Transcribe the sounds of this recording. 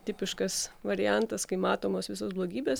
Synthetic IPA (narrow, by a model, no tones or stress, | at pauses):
t̪ʲɪpʲɪʃkɐsʋɐɾʲɪjænt̪ɐskɐɪmɑːt̪oːmoːsʋʲɪsoːsblˠoːɡʲiːbʲeːs